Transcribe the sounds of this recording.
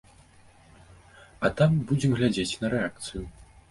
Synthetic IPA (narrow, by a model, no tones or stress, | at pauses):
ɐt̪ambud͡zʲɛmɣlʲad͡zʲet͡sʲn̪ɐɾɛak̚t̪sɨju